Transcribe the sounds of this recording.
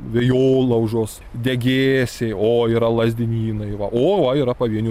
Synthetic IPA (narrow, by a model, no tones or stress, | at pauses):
ʋʲejoːlˠɐʊʒoːss | d̪ʲɛɡʲeːsʲeoːiɾɐlˠɐzʲd̪ʲɪnʲiːnɐɪʋɐʔoːʋɐiɾɐpɐʋʲiɛnʲu